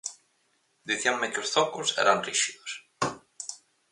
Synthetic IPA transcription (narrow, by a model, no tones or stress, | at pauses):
ðɪθjawmːɛcʏɾ̥θɔhkʊɾ̥sɛ̰ɾhanːrisiðʏɾ̥